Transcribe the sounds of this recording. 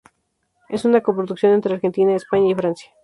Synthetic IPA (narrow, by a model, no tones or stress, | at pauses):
e̞sunakopɾoðuksjo̞ne̞nt̪ɾeaɾxe̞nt̪inaespaɲaifɾansjḁ